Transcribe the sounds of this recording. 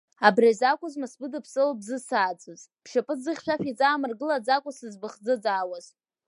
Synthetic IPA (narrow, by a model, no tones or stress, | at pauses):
abrazakʷʼʊzmɨsbɨdɨpʰsʼɨlbzɨsaːt͡sʰʼɨzpʰʃapʼɨd͡zɨχʲʃʷᶣafit͡sʼaːmɨrɡɨlad͡zakʷʼʊsɨzbɨχd͡zɨd͡zaːwaz̥